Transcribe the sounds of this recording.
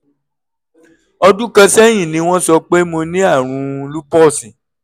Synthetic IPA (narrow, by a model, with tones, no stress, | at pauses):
ɔ˧dũ˦kã˧sɛ˦˨j̃ĩ˦˨nĩ˧˦w̃ɔ̃˦sɔ˧k͡pe˦mo˧nĩ˦a˦˨ɾ̃ũ˨˧lu˦pɔ˦˨sĩ˨